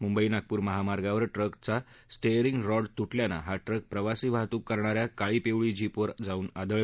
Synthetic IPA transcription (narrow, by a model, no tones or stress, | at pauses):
mumbəinaɡ̚puːɾməɦamaɾɡaʋəɾʈɾəkt͡sa | sʈejɾiŋɡɾɔɽt̪uʈʰljana̰ɦaʈɾək̚pɾəʋasiːʋʱaɦt̪ũːkːəɾɳaɾjakaɭiːpeʋɭid͡ʑipʋəɾd͡zauːnad̪əɭ